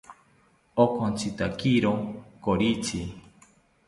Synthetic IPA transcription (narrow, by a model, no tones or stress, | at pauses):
okʰont͡sit̪akiɾokoɾit͡ʃi